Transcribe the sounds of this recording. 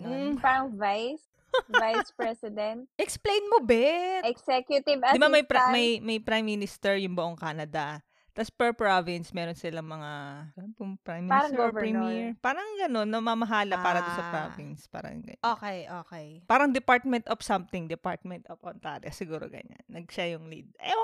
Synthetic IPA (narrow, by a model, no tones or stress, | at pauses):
paɾɐŋvajs | vajspɹɛsɪd̪ɛnt̪̚ʔɛksplejnmobɛɛksɛkjʊt̪ɪbdd̪ɪbamɐjpmɐjmɐjpɾajmːinɪst̪ɛɹjʊŋbʊʔoŋkaːnɐd̪ɐ | t̪ɐspɛɹpɹovɪnsmɛːɾonsɪlɐŋmɐŋaɐnɐnpʊŋpɹajmaɾɐŋɡovɛɹimiɹpaːɾɐŋɡɐno̞nːɐmamɐɦaːlɐpaːɾɐt̪osɐpɾo̰vɪnspa̰ːɾɐ̰ŋɡɐ̰ɲʔoːkɛjʔoːkɛjpaːɾɐŋd̪ɪpaɹt̪̚mɛnt̪ʔɔfsɐmt̪ɪŋd̪ɛpaɹt̪̚mɛnt̪opont̪aːɾɛ̰sɪɡuːɾo̰ɡɐ̰ɲa̰nnːɐɡ̚ʃajʊŋlḭd̪̚ʔɛ̰